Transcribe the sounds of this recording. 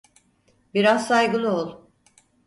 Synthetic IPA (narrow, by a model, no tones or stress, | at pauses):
biɾazsajɡɯlˠuolˠ